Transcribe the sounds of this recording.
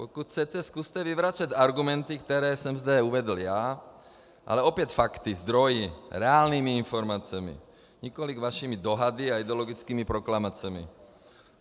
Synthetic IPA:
pɔkut̪ʰt͡sɛtɛskust̪ɛʋiʋɾat͡sataɾɡumɛnt̪ikt̪ɛɾɛːsɔmzd̪ɛuʋɛd̪l̩jaː | ʔa̰lɛɔpjɛc̪fakt̪izd̪ɾɔjiɾɛaːlniːmiinfɔɾmaːt͡sɛmḭ | ɲikɔliɡʋaʃiːmid̪ɔɦad̪iaid̪ɛɔlɔɡit͡skiːmipɾɔklamat͡sɛmḭ

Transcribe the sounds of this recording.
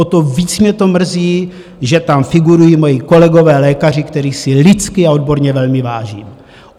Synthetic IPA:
ot̪oviːt͡smɲɛt̪o̞mr̩ziː | ʒɛt̪amfɪɡuɾujiːmo̞jiko̞lɛɡo̞vɛːlɛːkar̝ɪkt̪ɛɾiːsɪlɪt͡skɪao̞d̪̚bo̞ɾɲɛvɛlmɪvaːʒḭːm

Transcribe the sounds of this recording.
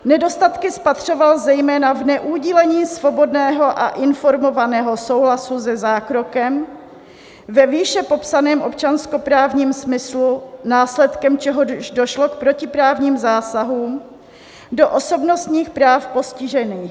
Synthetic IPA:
nɛdo̞st̪at̪kɪspat̪r̝̥o̞valzɛjmɛːnavnɛʔuːɟilɛɲiːsvo̞bo̞dnɛːɦoʔaʔɪnfo̞ɾmo̞vanɛːɦo̞so̞wɦlasuzɛzaːkɾo̞kɛm | vɛviːʃɛpo̞psanɛːmʔo̞p̚t͡ʃansko̞pɾaːvɲiːmsmɪslunaːslɛt̪kɛmt͡ʃɛɦoʃdoʃlok̚pɾo̞cɪpɾaːvɲiːmzaːsaɦuːm | do̞ʔoso̞bnost̪ɲiːxpɾaːfpo̞scɪʒɛniːx

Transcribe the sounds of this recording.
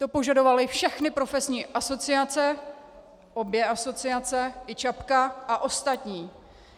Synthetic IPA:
t̪o̞po̞ʒado̞valɪfʃɛxnɪpɾo̞fɛsɲiːʔaso̞t͡sɪat͡sɛ | ʔo̞bjɛʔaso̞t͡sɪat͡sɛʔɪt͡ʃapkaʔaʔo̞st̪at̪ɲiː

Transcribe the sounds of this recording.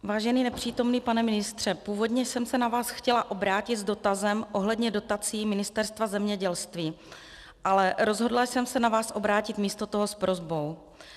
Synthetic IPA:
vaːʒɛniːnɛpr̝̥iːt̪o̞mniːpanɛmɪnɪst̪r̝̥ɛpuːvo̞dɲɛjsɛmsɛnavaːsxcɛlaʔo̞bɾaːcɪt̪zdo̞t̪azɛmʔo̞ɦlɛdɲɛdo̞t̪at͡siːmɪnɪst̪ɛɾst̪vazɛmɲɛɟɛlst̪viː | ʔalɛɾo̞zɦo̞dlasɛmsɛnavaːsʔo̞bɾaːcɪt̪miːst̪o̞t̪oɦospɾʔo̞zbo̞w

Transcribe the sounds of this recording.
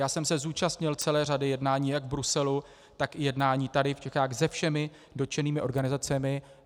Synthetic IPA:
jaːsɛmsɛzuːt͡ʃast̪ɲɪlt͡sɛlɛːradɪjɛdnaːɲiːjaɡvbɾusɛlu | t̪akɪjɛdnaːɲiːt̪adɪft͡ʃɛxaːxzɛfʃɛmɪ | dot͡ʃɛniːmɪʔo̞ɾɡanɪzat͡sɛmɪ

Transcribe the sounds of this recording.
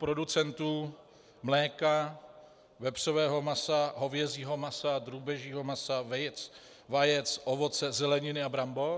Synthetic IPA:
pɾo̞dut͡sɛnt̪uː | mlɛːka | vɛpr̝̥ovɛːɦo̞masaɦo̞vjɛziːɦo̞masad̪ɾuːbɛʒiːɦo̞masavɛjt͡s | vajɛt͡sʔovo̞t͡sɛzɛlɛɲɪnɪabɾambo

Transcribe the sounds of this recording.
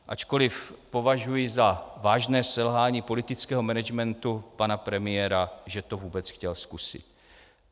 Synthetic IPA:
ʔa̰t͡ʃko̞lɪfpo̞vaʒujɪzavaːʒnɛːsɛlɦaːɲiːpo̞lɪt̪ɪt͡skɛːɦo̞mɛnɛd͡ʒmɛnt̪upanapɾɛmɪjɛɾaʒɛt̪ovuːbɛt͡sxcɛlskusɪ̰t̪

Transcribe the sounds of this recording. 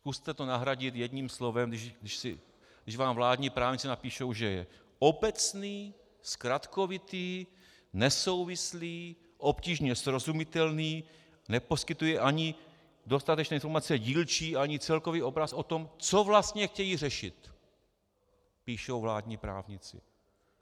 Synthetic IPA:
skust̪ɛt̪onaɦɾaɟɪt̪jɛd̪ɲiːmslo̞vɛmdɪʃdɪʃsɪ̰ | dɪʃvaːmvlaːdɲiːpɾaːvɲɪt͡sɛnapiːʃowʒɛjɛ̰ | obɛt͡sniː | skɾat̪ko̞vɪt̪iː | nɛso̞wvɪsliː | ʔo̞pciːʒɲɛsɾo̞zumɪt̪ɛlniː | nɛpo̞skɪt̪ujɛʔaɲɪ | do̞st̪at̪ɛt͡ʃnɛːɪnfoɾmat͡sɛɟiːlt͡ʃiːʔaɲɪt͡sɛlkoviːo̞bɾasʔo̞t̪o̞mt͡so̞vlast̪ɲɛxcɛjiːr̝ɛʃɪt̪ | piːʃowvlaːdɲiːpɾa̰ːvɲɪt͡sɪ̰

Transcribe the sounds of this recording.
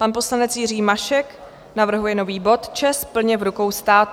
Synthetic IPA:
panpo̞slanɛt͡sjɪriːmaʃɛk | navr̩ɦujɛno̞viːbo̞t̪t͡ʃɛspl̩ɲɛvɾuko̞wst̪aːt̪

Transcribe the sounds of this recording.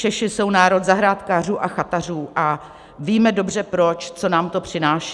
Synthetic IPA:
t͡ʃɛʃɪso̞wnaːɾo̞t̪zaɦɾaːt̪kaːr̝uːʔaxat̪ar̝uːʔa | viːmɛdo̞brɛpɾo̞t͡ʃt͡so̞naːmt̪o̞pr̝̥ɪnaːʃɛ

